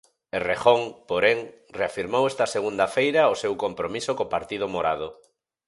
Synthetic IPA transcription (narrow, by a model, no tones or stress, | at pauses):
erexoŋpoɾeŋ | reafiɾmowest̪ɐseɣ̞und̪ɐfejɾaosewkompɾomisokopaɾt̪ið̞ʊmoɾaðo